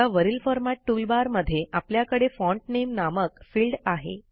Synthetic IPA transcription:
aʋəɾilfɔɾmaʈːulbaɾməd̪ʱːjeʔapljakəɽefɔɳʈ̚nemnaməkfiːlɖaɦḛ

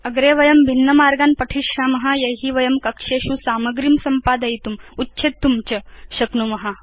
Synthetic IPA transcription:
ɐɡɾeːʋɐjɐmbʱinːɐmaːɾɡaːnpɐʈʰiʂamɐɦajɐɦiʋɐjɐmkɐkʂeɕusaːmɐɡɾimsɐmpaːd̪ɐjt̪umutːɕʰet̪ːumt͡ɕɐɕɐknumɐɦa

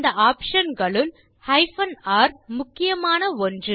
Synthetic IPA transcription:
nd̪ɐaːpʂɐnɡɐɭɯl | hɐɪfɐnaːɾmʊkːɪjɐmaːnɐɔndrɯ

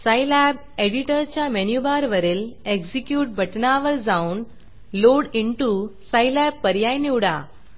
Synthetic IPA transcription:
sajlæb̚ | eɽiʈəɾt͡ɕjamenjubaɾʋəɾeleɡsikjuːʈ̚bʱɐʈnaʋəɾd͡zaun | loɽiɳʈusajlæb̚pəɾjajniwɽa

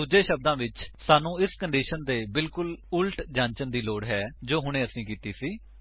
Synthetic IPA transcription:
uːd͡ʒeːʃəb̚d̪ãːʋɪt͡ʃsaːnũːɪskəɳɖiːʃənd̪eːbɪlkʊlʊlʈd͡ʒãːɲt͡ʃənd̪iːloːɽɦɛːd͡ʒoːɦʊɽ̃ẽːəsĩːkiːt̪iːsiː

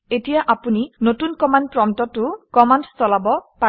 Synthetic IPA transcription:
etijaʔapuninotunkɔmandpɹɔmtɔtʊkɔmandstɔlabɔpa

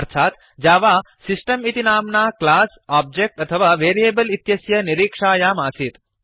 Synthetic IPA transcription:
ɾt̪ʰaːt̪ | d͡ʒaːʋa | sisʈəmit̪inaːmnaklaːs | aːb̚d͡ʒek̚ʈɐt̪ʰəʋaːʋeːɾieːbəlit̪jɐsjɐniɾiːkʂaːjaːmaːsit̪

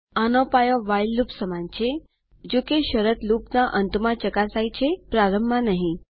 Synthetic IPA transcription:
anopajoʋajlːupsəmant͡ʃʰe | d͡ʒokeʃəɾət̪lupnaʔənt̪mãt͡ʃəkasajt͡ʃʰepɾaɾəmːãnəɦĩ

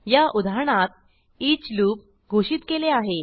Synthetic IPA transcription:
jaʔud̪ʱaɳ̃at̪̚ | iːt͡sluːp̚ | ɡʱoɕiːt̪keleaɦe

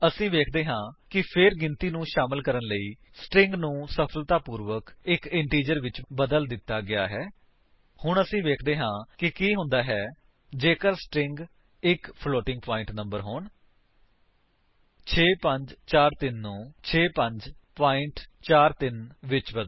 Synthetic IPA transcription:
əsĩːʋeːkʰd̪eːɦãːkɪpʰɪɾɡɪnt̪iːnũːʃaːmɪlkəɾənləiː | sʈɾɪŋɡnũːsəpʰəlt̪aːpuːɾʋəkɪkɪɳʈiːd͡ʒəɾʋɪt͡ʃbəd̪əld̪ɪt̪ːaːɡɪa̰ːɦɛː | hʊɳəsĩːʋeːkʰd̪eːɦãːkɪkiːɦʊ̃nd̪aːɦɛː | d͡ʒeːkəɾsʈɾɪ̃ŋɡ | ɪkpʰloːʈɪ̃ŋɡ̚paːɪ̃ɳʈnə̃mbəɾɦoːɳ | t͡ʃʰeːpəɲd͡ʒt͡ʃaːɾt̪ɪnːũːt͡ʃʰeːpəɲd͡ʒpaːɪ̃ɳʈt͡ʃaːɾt̪ɪnʋɪt͡ʃbəd̪

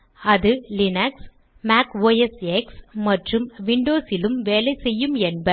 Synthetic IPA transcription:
ɐðɯlɪnɐks | maːkʋoːjɛsɛksmɐʈrɯmʋɪɳɖoːsɪlɯmʋeːlɐɪsɛjːɯmɛnbɐ

